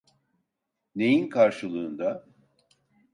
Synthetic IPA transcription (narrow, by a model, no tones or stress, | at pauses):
ne̞jinkʰaɾʃɯlˠɯːnd̪a